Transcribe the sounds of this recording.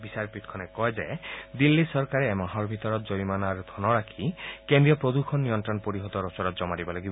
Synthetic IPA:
bisaɾpit̪kʰɔnekɔed͡ʒaed̪ilːisɔɾkaɾeːmaɦɔɾbʱit̪ɔɾɔt̪̚d͡ʒoimanaɾd̪ʰʱɔnɔɾakʰikend̪ɾijɔpɾod̪ukʰɔnːijɔnt̪ɾɔnpoɾiɦɔt̪ɔɾɔt͡ʃɔɾɔt̪d͡ʒɔmaɾibɔlaɡibɔ

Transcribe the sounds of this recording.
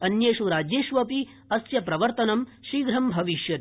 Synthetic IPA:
ɐnjeːʃuɾaːd͡ʒeːʃʋɐpi | ɐsjɐpɾɐʋɐɾt̪ɐnɐmʃiːɡɾɐmbʱɐʋiʃjɐt̪

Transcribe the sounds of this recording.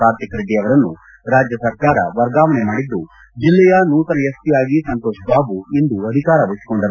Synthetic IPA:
aːɾt̪ʰikɾid̪iɐʋɐɾɐnːu | ɾaːd͡ʒjɐsɐɾkaːɾɐ̰ʋɐɾɡaːʋɐnemaːɽid̪ːu | d͡ʒilːɛjɐnuːt̪ɐɾɐjɐst̪ijaːɡisɐnt̪oːʃbaːbuind̪uɐd̪ʱikaːɾɐʋɐɭisi̥ko̞ɳɖɐɾu

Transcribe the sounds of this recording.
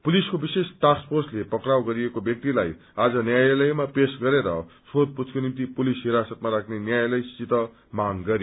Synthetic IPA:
puliskobisesʈaspʰorslepʌkrawɡʌɾiekobjʌk̚t̪ilaj | ad͡zʌnjajlʌjmapesɡʌɾeɾʌsod̪̚put͡sʰkonimt̪ipulisɦiɾasʌt̪̚maɾakʰnenjajlʌjst͡sit̪ʌ | maŋɡʌɾj

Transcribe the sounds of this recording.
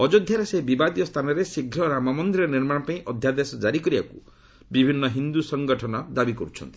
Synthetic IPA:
ɔd͡ʒɔd̪ʱjaɾesebibad̪ijɔst̪ʰanɔɾesiɡʱɾɔɾamamɔnd̪ɾiɾɔniɾmaɽ̃ɔpaĩʔɔd̪ʱjad̪esɔd͡ʒaɾikɔɾibaku | bibʱinːɔɦind̪usɔŋɡɔʈʰɔnɔd̪abikɔɾut͡ʃʰɔ̰nt̪i̥

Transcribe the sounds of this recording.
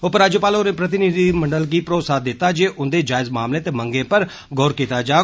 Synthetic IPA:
opəɾaːd͡ʒoːpaːloːnẽːpɾət̪ɪnid̪iməɳɖəlɡiːpɾoːt̪saːd̪ɪt̪ːaːd͡ʒeːʔʊnd̪eːd͡ʒaːɪzmaːmlẽːt̪eːməŋɡẽːpəɾ | ɡɔːɾkiːt̪aːd͡ʒaː

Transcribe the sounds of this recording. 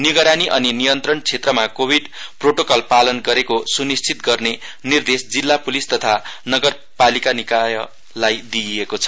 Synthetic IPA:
niɡʌɾaniʔʌninijʌnt̪rʌɳt͡sʰet̪rʌmakobʱiɖproʈokʌlpalʌnɡʌɾekosunist͡sʰit̪̚ɡʌrne | nird̪esd͡zilːapulist̪ʌt̪ʰanʌɡʌr | palikanikajʌ | lajd̪iekot͡sʰʌ̥

